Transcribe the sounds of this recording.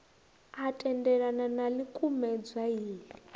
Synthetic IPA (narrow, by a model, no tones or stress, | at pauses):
atʼɛndɛɺananalikʼumɛd͡zaiːli